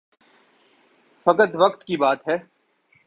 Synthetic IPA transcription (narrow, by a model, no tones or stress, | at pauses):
fɐkət̪ʋɐkt̪kibaːt̪ɦɛː